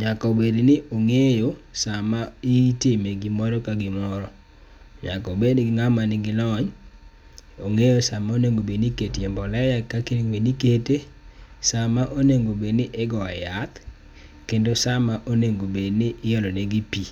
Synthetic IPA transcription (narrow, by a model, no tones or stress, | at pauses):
ɲakɔbednɪoŋejosamaɪtemeɡɪmɔɾɔkaɡɪmɔɾɔ | ɲa̰kɔbedɡɪŋamanɪɡɪlɔɲ | oŋejosamaoneŋɡobeniketjɛmbɔlɛjakːakenŋwenikete | samaʔoneŋɡobednɪʔɪɡɔajat̪ | kendosamaʔoneŋɡobednɪʔɪjɔlɔneɡipi